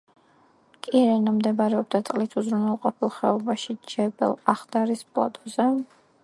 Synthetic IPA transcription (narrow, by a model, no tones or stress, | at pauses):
kʼiɾɛnamd̪ɛbaɾɛɔb̚d̪at̪sʼqʼlit̪ʰuzɾunwɛlˠqʼɔpʰilˠχɛɔbaʃid͡ʒɛbɛ̰lˠaχd̪aɾispʼlˠa̰t̪ʰʼuzɛ